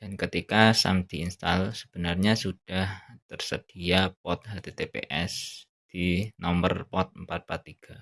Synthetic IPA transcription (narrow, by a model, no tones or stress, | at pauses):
d̥ankət̪ikasa̰md̪̥iinst̪alsə̥b̥ənarɲasud̥aht̪ərsəd̥iapɔt̪̚ɦat̪et̪epḛʔɛs | d̥inɔmbərpɔt̪̚əmpat̪̚pat̪ːiɡ̥a